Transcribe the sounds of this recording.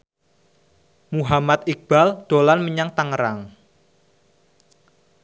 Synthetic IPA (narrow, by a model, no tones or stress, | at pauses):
muɦamat̪̚ik̚b̥ald̪̥o̤lanməɲaŋt̪aŋəɾaŋ